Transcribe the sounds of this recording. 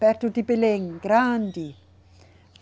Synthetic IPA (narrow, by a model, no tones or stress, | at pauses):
pɛɾt̪ut̪ipeleŋɡɾand̪i